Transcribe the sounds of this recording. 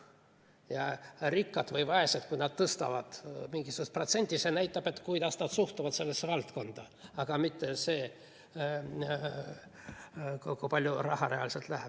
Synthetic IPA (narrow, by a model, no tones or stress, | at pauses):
jɑrikːɑd̪vɤjvɑe̞sed̪kujnɑd̪̥̚t̪ɤst̪ɑ̰vɑ̰d̪̥miŋɡisukust̪̚pro̞t̪se̞nʲt̪ʲːise̞næjt̪ːˑɑb̥e̞t̪ːkujd̪ɑsnɑd̪̥suht̪ɑvɑd̪se̞lːesːevɑlt̪ko̞nd̪̥ɑ | ɑɡ̥ɑmit̪ːe̞seː | kkujpɑlʲjurɑ̰hɑɾeɑ̰liselt̪læɦeb̥